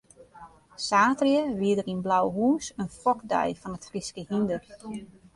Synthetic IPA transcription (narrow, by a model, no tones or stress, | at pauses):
saːtrjəʋiədəɾinblawɦuːnsənfɔkdɛ̰jfɔnətfriskəhindər